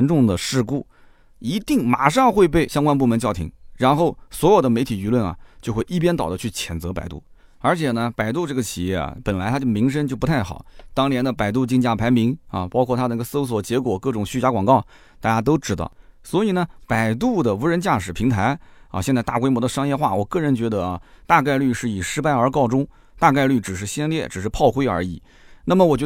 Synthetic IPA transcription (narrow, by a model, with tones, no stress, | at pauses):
nʈ͡ʂʊ˥˩ŋd̪ə˩ʂɻ̩˥˧ku˥˩ | i˧˥t̪i˥˩ŋma˨˩ʂɑ˥˧ŋxwe˥˧ɪp̬e˥˩ɪɕjɑ˥ŋkwa˥np̬u˥˩mə˧˥t͡ɕjɑ˥˩ʊt̪ʰḭ˧˥ŋɻa˧˥nxo˥˩ʊswɔ˧˥jo˨˩ʊd̪ə˦me˧˥ɪt̪ʰi˨˩y˧˥lwə˥˩nɐ̰˩t͡ɕjo˥˧ʊxwe˥˧ɪʔi˥˩p̬jɛ˥nt̪ɑ˨˩d̪ə˦t͡ɕʰy˥˩t͡ɕʰjɛ˨˩nt͡sɤ˧˥pa̰˨˩ɪt̪ṵ˥˩ | ə˞˧˥t͡ɕʰjɛ˨˩nə˧pa˨˩ɪt̪u˥˧ʈ͡ʂɤ˥˩ɡə˩t͡ɕʰi˨˩jɛ̰˥˩ɐ̰˩pə˨˩nla˧˥ɪt̪ʰa˥t͡ɕjo˥˩ʊmi˧˥ŋʂ̬ə˥ŋt͡ɕjo˥˩ʊp̪ʰa˥˩ɪxɑ̰˨˩˦t̪ɑ˥ŋnjɛ˧˥nd̪ə˧pa˨˩ɪt̪̬u˥˧t͡ɕi˥˧ŋt͡ɕja˥˩pʰa˧˥ɪmi˧˥ŋɐ̰˧pɑ˥kʰwɔ˥˩t̪ʰa˥d̪ə˧i˥ə˧so˥ʊswɔ˨˩t͡ɕjɛ˧˥kwɔ˨˩kɤ˥˩ʈ͡ʂʊ˨˩ŋɕy˥˧t͡ɕja˧˥kwɑ˨˩ŋkɑ˥˩ʊ | t̪a˥˩t͡ɕja˥t̪o˥ʊʈ͡ʂɻ̩˥˩d̪ɑ̰˧˩swɔ˧˥i˨˩nə˩˦pa˨˩ɪt̪̬u˥˩d̪ə˩u˧˥ɻə˧˥nt͡ɕja˥˩ʂɻ̩˨˩pʰi˧˥ŋt̪ʰa˧˥ɪɐ̰˧ɕɛ˥˧nt͡sa˥˧t̪a̰˥˩kwɪmwɔ˧˥d̪ə˧ʂɑ˥ŋjɛ˥˧xwa˥˩wɔ˨˩kɤ˥˩ɻə˧˥nt͡ɕɥɛ˧˥d̪ə˧ɐ˧ | t̪a˥˧ka˥˧ɪly˥˧ʂɻ̩˥˩i˨˩ʂɻ̩˥pa˥˧ɪə˞˧˥kɑ˥˧ʊʈ͡ʂʊ˥ŋ | t̪a˥˧ka˥˧ɪly˥˩ʈ͡ʂɻ̩˨˩ʂ̬ɻ̩˥˩ɕjɛ˥nljɛ˥˩ʈ͡ʂɻ̩˨˩ʂɻ̩˥˧pʰɑ˥˩ʊxwe˥ɪə̰˞˧˥i˨˩˦ | na˥˩mə˩wɔ˨˩t͡ɕɥɛ˧˥